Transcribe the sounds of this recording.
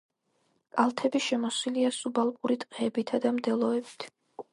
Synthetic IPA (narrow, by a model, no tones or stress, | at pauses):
kʼalˠt̪ʰɛbiʃɛmɔswiliasubalˠpʼuɾit̪ʼqʼɛbit̪ʰad̪amd̪ɛlˠɔɛbit̪ʰ